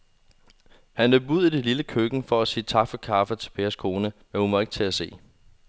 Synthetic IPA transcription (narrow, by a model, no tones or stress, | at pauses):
hænløb̥uð̰ˠid̥e̝liləkʰøɡ̥n̩fɒ̽æsiːt͡sʰɑ̈ɡ̥fɒ̽kʰɑ̈ːfət͡sʰe̝lpʰeːɐskʰo̝ːnəmænhumɒeɡ̥t͡sʰe̝æse̝̰ː